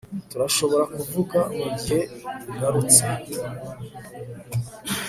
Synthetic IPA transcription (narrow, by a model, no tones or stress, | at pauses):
tuɾaʃo̞βo̞ɾakuvuɡamuɟihe̞iɡaɾut͡se